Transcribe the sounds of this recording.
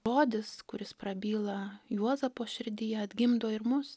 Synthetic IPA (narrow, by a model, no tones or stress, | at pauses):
oːd̪ʲɪskʊɾʲɪspɾɐbʲiːlˠɐjuɔzɐpoːʃʲɪɾʲd̪ʲijɛɐd̪ʲɡʲɪmd̪oːɪɾmʊs